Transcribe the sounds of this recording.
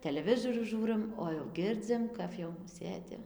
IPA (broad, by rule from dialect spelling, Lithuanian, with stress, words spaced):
tʲɛlʲɛˈʋʲɪzoːrʲuː ˈʒuːrɨm oː jɛʊ ˈɡʲɪrʲd͡zʲɪm kɐf jɛʊ ˈsʲeːdʲɪ